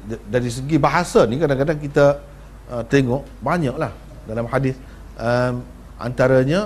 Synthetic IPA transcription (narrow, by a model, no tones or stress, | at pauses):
daɾis̬əɡibaɦasanikadaŋkadaŋkit̪ə | ət̪eŋɔʔ | baɲaʔlah | dalamhadɪθ | ʔəm | ʔa̰nt̪aɾəɲə̃